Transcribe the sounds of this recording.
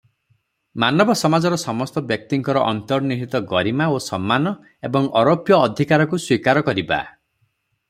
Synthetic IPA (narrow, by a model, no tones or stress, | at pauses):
manɔbɔsɔmad͡ʒɔɾɔsɔmɔst̪ɔbjɔk̚t̪iŋkɔɾɔʔɔnt̪ɔɾniɦit̪ɔɡɔɾimaosɔmːanɔ | ebɔŋɔɾopjɔːd̪ʱikaɾɔkuswikaɾɔkɔɾiba̰